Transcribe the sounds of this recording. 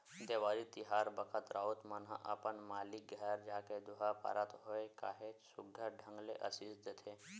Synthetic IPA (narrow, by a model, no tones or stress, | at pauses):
d̪eʋaɾit̪iɦaːɾbəkʰət̪ɾʔaut̪mənɦã̰ʔapəɳmalik̚ɡʱɛɾd͡ʒaːked̪uɦapa̰ɾʔat̪ɦojka̰ːɦet͡ʃsuɡʱəɖʱə̃ŋɡleʔəsisd̪et̪ʰe